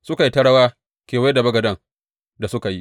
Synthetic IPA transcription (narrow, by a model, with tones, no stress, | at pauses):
sʊ˦ka˨ji˦tɐ˦ɽɐ˦waː˦ | kʲeː˨wa˦da˨bɐ˦ɡɐ˨dɐ˦ŋ | da˨sʊ˦ka˨ji˦